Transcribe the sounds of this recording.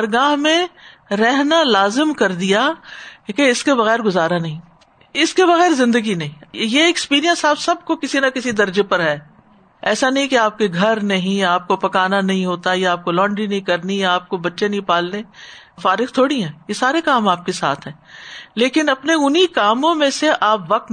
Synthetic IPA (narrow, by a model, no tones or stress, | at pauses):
pɐɾɡaːɦmẽɾɛɦnalaːzɪmkɐɾd̪ijakeɪskebɐɣɛːɾɡʊzaːɾanɐɦĩ | ɪskeβɐɣɛːɾzɪ̃nd̪əɡinɐɦĩjeɪkspiːɾijə̃nsaːbsɐb̚kokɪsinakɪsid̪ɐɾd͡ʒepɐɾɦɛː | ɛːsanɐɦĩkeaːp̚keɡʱɐɾnɐɦĩaːp̚kopɐkaːnanɐɦĩɦoːt̪ajaaːp̚kolɔ̃ːɳɖɾinɐɦĩkɐɾniaːp̚kobɐtːʃenɐɦĩpaːlne | faːɾɪqt̪ʰoːɽiɦɛ̃ːjesaːɾekaːmaːp̚kesa̰ːt̪ʰɦɛ̃ːleːkɪnɐpneʊnikaːmõmẽseʔaːpʋɐq̚t̪